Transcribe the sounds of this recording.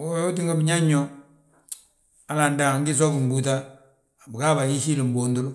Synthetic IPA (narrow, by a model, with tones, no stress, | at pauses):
o˦o˦t̬i˦ŋɡa˦bi˨ɲa˦ɲːɔ˦ | a˦la˨nda˨ŋ˦ɡɪ˦s̬ɔ˦ku˨m̩˨bu˨ta˦˨ | bɪ˨ka˦ba˨ji˦si˦le˨mbo˨ndo˦lʊ˦